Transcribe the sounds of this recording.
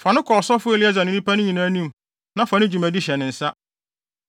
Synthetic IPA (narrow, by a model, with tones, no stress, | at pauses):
fã˨nɪ̃˦kʰɔ˨sɔ˦fʊ˦e˨lɪ˦a˦za˨nɪ̃˦nĩ˦pa˦nʊ̃˦ɲĩ˨nãː˦nĩ˦m | nã˨fã˨nɪ̃˦d͡ʑᶣu˨mã˨di˦ɕɛ˨nɪ̃˨n̩˨sa˦